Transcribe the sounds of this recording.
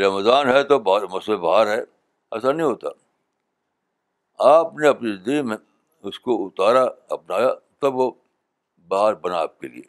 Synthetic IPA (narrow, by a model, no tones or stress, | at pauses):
ɾɐmzaːnɦɛt̪obmɐsbebɐɦaːɾɦɛ | ɛs̬anɐɦĩɦoːt̪a̰ | aːpneɐpnizɪ̃nd̪əɡimẽ | ʊskoʊt̪aːɾaɐp̚naːjat̪ɐbʋo | bɐɦaːɾbɐnaaːp̚kḛlḭḛː